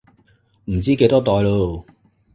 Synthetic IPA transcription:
m̩˨˩t͡siː˥ke˧jt̪ɔː˥t̪ɔː˧jlo˧˥

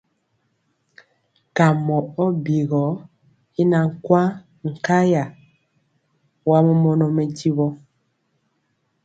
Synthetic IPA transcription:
ka˨mɔ˨ɔ˦bi˨ɣɔ˨˦ | i˦na˨ŋ̩˨kwa˦ | ŋ̩˨ka˦ja˨ | wa˦mɔ˦mɔ˦nɔ˨mɛ˨ɟi˦βɔ˦

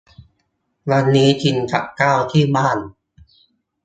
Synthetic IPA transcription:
wa˧nːiː˦˥tʰi˧nkʰa̰˨˩ʔkaː˥˩wt̪ʰiː˥˩baː˥˩n

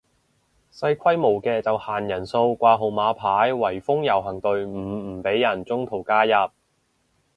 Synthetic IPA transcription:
sɐ˧jkʰɐ˥jmo˨˩wkɛː˧t͡sɐ˨whaː˨˩njɐ˨˩nso˧wkʷaː˧ɦo˨˩wmaː˨˧pʰaː˨˥jwɐ˨˩jfʊ˥ŋjɐ˨˩wɦɐ˨˩ŋt̪ɵ˨ɥm̩ː˨˩˨pe˨˥jːɐ˨˩nt͡sʊ˥ŋt̪ʰo˨˩wkaː˥jɐ˨p̚

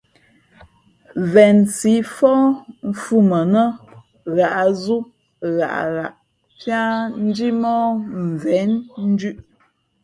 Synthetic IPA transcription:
vɛ˨nsi˨˦fɔ˦m̩˦fu˦mə˨nə˦ | ɣa˨ʔzu˦ | ɣa̰˨ʔɣa̰˨ʔ | pja˦n̩˦d͡ʒi˦mɔ˦m˨vɛ˨˦nn̩˦d͡ʒʉ˦ʔ

